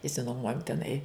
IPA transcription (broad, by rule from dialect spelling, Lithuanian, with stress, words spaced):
ɪʃʲsʲɪnuɔˈmuɔjoːm tʲɛˈnɐɪ